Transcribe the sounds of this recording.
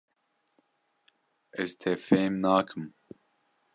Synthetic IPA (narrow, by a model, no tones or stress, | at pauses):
ɛzt̪ʰɛfeːjmnaːkʰɨm